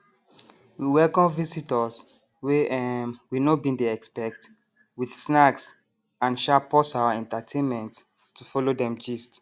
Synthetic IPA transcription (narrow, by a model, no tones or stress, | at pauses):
wiwɛkɔ̃nvisitɔs | we | winobĩndeɛkspɛk̚t | wiθsnaks | ãnʃapɔsawaɛ̃ntatʰẽnmɛ̃ntː | ufɔlodɛ̃md͡ʒist